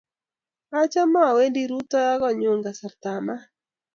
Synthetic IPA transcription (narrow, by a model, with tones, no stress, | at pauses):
a˦t͡ʃɔ˦ma˦˨we˦ndi˦ɾu˦t̪ɔ˦ja˦ɡɔ˦ɲʊ˨ŋɡa˨sa˨rt̪a˨ma˦